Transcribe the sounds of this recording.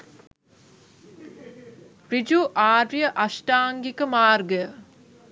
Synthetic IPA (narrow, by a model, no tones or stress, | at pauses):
rid͡ʒuʔaːrijəʔasʈaːŋɡikəmaːrɡəjə